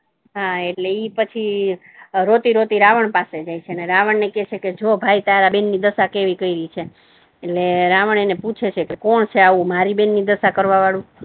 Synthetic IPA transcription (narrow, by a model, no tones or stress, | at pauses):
ɦaeʈleipət͡ʃʰi | ɾot̪iɾot̪iɾaʋəɳpased͡ʒajt͡ʃʰeəneɾaʋəɳnekɛt͡ʃʰeked͡ʒobʱait̪aɾabenːid̪əsakeʋikəiɾəit͡ʃʰeː | ʈleɾaʋəɳ̃eneput͡ʃʰet͡ʃʰekekɔɳt͡ʃʰeaʋũmaɾibenːid̪əsakəɾʋaʋaɭũ